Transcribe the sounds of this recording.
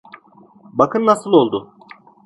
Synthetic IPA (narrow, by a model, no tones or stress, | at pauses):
bakʰɯnːasɯlˠo̞lˠd̪ʊ